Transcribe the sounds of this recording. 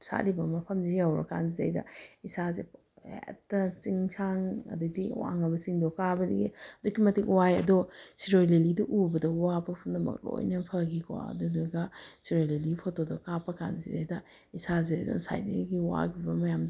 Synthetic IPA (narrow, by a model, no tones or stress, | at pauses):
sa̰libɐmɐpʰɐmziɡiawɾɐ̰ka̰nziza̰jdɐ̰isaze | etːɐt͡ʃiŋt͡ʃʰaŋɐ̰dɐdiwa̰ŋɐbɐt͡ʃiŋdokabɐdḭɡḭɐdukːimɐtik̚wajɐ̰dosiɾojlelidiʔubɐdɐwapɐpʰundɐmɐ̰k̚lo̰jnɐpʰɐɡikʰwa̰ɐ̰dodoɡɐsiɾojlelipʰotodɔkapːɐka̰nzizajdɐ | isazeza̰nsa̰jdeɡiwa̰kʰibɐmɐjamd